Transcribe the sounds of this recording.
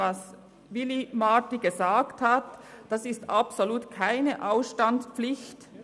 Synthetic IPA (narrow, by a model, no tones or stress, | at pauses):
as | vɪlimatiɡəzaːkthatd̥asɪstapsoluːtkʰaɪnəʔaʊsʃtanspflɪçt